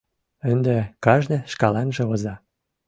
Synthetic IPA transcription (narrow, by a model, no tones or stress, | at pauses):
ə̆nd̪ĕkɑʒnĕʃkɑlɑnʒĕozɑ